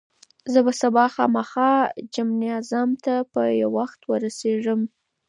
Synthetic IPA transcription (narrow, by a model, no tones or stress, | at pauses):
zəbasabɑxɑmaxɑd͡ʒamniɑzamt̪apəjawaxt̪wəɾaseʐəm